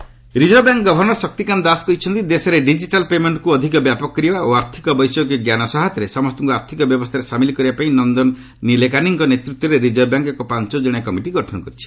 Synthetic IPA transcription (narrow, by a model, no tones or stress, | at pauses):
ɾid͡ʒɔbjaŋkɡɔbʱɔɾnɔɾsɔk̚t̪ikand̪askɔjt͡ʃʰɔnt̪id̪esɔɾeɖid͡ʒiʈalpemeɳʈkuɔd̪ʱikɔbjapɔkːɾiaoaɾt̪ʰikɔbɔjsɔk̬iɡjanɔsɔɦat̪ɾesɔmɔst̪ʰɔŋkuaɾt̪ʰikɔbjɔbɔst̪ʰaɾesamilikɔɾibapaĩnɔnd̪ɔn | nilekaniŋkɔnet̪ɾut̪ːwɔɾeɾid͡ʒɔbjaŋkekɔpant͡ʃɔd͡ʒɔɽ̃akɔmiʈiɡɔʈʰɔnɔkɔɾit͡ʃʰi̥